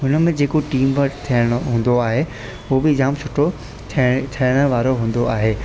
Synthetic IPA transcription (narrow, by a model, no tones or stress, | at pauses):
ɦʊnə̆mẽd͡ʑeːkoʈiːmʋɐɾt̪ʰijəɽ̃̆ɦũːn̆d̪oaːɦe | ʊobɪd͡ʑaːmsʊʈʰo | t̪ʰit̪ʰijəɽ̃ə̆ʋaːɾoɦũːn̆d̪oaːɦeː